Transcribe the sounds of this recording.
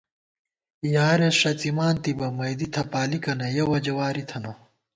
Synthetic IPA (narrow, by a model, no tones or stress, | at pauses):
jaːɾeʂɐt͡simaːnt̪ibɐmɐjd̪it̪ʰɐpaːlikɐnɐjɐwɐd͡ʑɐwaːɾit̪ʰɐno